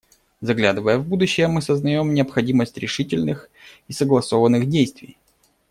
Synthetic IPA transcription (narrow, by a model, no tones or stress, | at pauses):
zɐɡlʲad̪ɨvəjəvbud̪ʊɕːɪjəmɨsəznɐjo̞mnʲɪəpxɐdʲiməsʲtʲɾʲɪʂɨtʲɪlʲnɨx | isəɡlˠɐsovənːɨxdʲejst̪vʲɪj